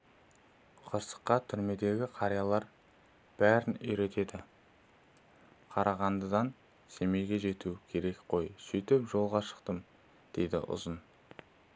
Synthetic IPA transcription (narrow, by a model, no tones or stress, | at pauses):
qʰəɾsə̥qːɑt̪ʰʏɾme̞d̪e̞ɡʲɪqʰɑɾijɑlˠɑɾ | b̥æɾɪnʏjɾe̞t̪e̞d̪ɪ | qʰɑɾɑʁɑnd̪əd̪ɑn | se̞me̞jɡʲe̞ʒe̞t̪ukʲʰe̞ɾe̞kqʰo̞jsijt̪ɪpʒo̞lˠʁɑʃə̥qt̪əm | d̪̥e̞jd̪ɪ̰ʔʊ̰zən